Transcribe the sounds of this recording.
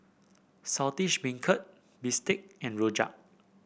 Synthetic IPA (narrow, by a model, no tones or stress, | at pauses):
satiʃbĩŋkʰət̚ | bistɪk̚ɛ̃nɹod͡ʒa̰p̚